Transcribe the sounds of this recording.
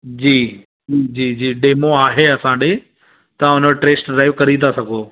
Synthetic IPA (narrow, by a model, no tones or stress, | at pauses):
d͡ʑiː | d͡ʑiːd͡ʑiːd͡ʑiːɖeːmoaːɦeɐsãːɗeː | t̪ɐʊnoʈɾeːsʈɖɾaːɪʋkɐɾit̪asɐɡʱoː